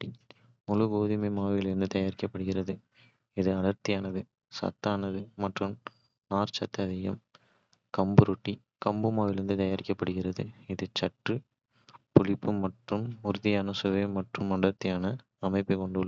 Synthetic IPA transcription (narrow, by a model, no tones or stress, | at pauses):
i | mʊlɯɡoːðɪmimaːʋɪlɪɾɪnd̪ɯt̪ɐjaːɾɪkːɐpːɐɽɯɣɪrɐðɯ | ɪðɯɐɽɐɾt̪ɪjaːnɐðɯ | sɐ̰t̪ːaːnɐðɯmɐʈrɯm | aːɾt͡ʃɐt̪ːɐðɪjɐm | kɐmbɯɾʊʈːi | kɐmbɯmaːʋɪlɪɾɪnd̪ɯt̪ɐjaːɾɪkːɐpːɐɽɯɣɪrɐðɯɪðɯt͡ʃɐʈrɯ | pʊlɪpːɯmɐʈrɯmʊɾʊðɪjaːnɐsɯʋɐmɐʈrɯmɐɽɐɾt̪ɪjaːnɐ | ɐmɐɪpːɯkɔɳɖɯl